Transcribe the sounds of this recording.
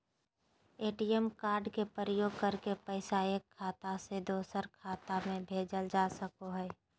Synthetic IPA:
eːʈijɛmkaːɾɖkepəɾəjoːɡ̚kəɾkepəɪsaeːkʰːaːt̪ased̪oːsəɾkʰaːt̪amẽbʱeːd͡ʒəld͡ʒaːsəkoɦɛː

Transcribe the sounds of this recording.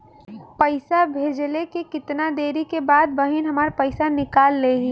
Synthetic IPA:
pəɪsabʱeːd͡ʒlekekɪt̪nad̪eːɾikebaːd̪̚bɐɦɪnɦɐmaːɾpəɪsanɪkaːlːeɦi

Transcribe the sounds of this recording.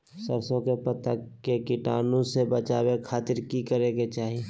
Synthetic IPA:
səɾsõkepət̪əkekɪʈaːnõsebət͡ʃaːwekʰaːt̪ɪɾkikəɾeɡet͡ʃaːɦie

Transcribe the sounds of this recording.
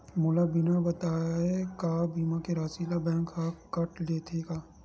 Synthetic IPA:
mʊlabɪnabɐt̪aːɛkaːbiːmãkeɾaːsilabɛ̃ːŋkakɐʈleːt̪ʰekaː

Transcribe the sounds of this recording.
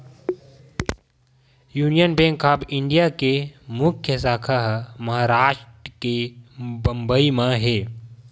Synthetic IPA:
juːnijənbẽːŋkʰːaːbɪ̃ɳɖijakemʊkʰjəsaːkʰaɦmɐɦaːɾaːʃʈɾəkebə̃mbəimãɦeː

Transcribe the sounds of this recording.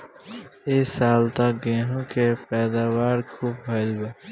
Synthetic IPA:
eːsaːlt̪aɡẽːɦũkepɛːd̪aːwaːɾkʰuːp̚ɦəɪlbaː

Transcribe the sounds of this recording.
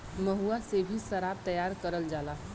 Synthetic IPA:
məɦuasebʱisəɾab̚t̪əjaɾkəɾəld͡ʒala

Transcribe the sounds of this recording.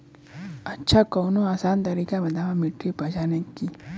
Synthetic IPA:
ɐtːʃʰakɔːnoaːsaːnt̪ɐɾiːkamɐd̪aʋamɪʈɾipɐd͡ʒaːnəkːi

